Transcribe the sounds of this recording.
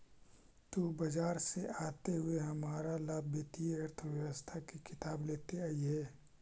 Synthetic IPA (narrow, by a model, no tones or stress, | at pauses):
t̪uːbɐd͡ʒaːɾseʔaːt̪eɦʊeɦɐmaːɾalaːbʱət̪ijɐɾt̪ʰəʋjɐʋəst̪ʰakikʰɪt̪aːbleːt̪eaːiɦɛː